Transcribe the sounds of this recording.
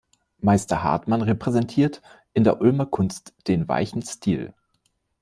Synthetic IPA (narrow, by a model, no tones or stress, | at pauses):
maɪstɐha̰ɐtmanʁepʁ̥ɛzɛntʰiːɐtʔɪndeːɐʔʊlmɐkʰʊnstd̥eːnva̰ɪçn̩stʰḭːl